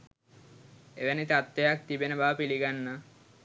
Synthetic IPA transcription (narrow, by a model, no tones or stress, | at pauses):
ḛbanit̪at̪ːejak̚t̪ibenebapiliɡanːa